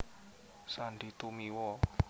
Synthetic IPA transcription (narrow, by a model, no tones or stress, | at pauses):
saɳɖit̪umiwɔ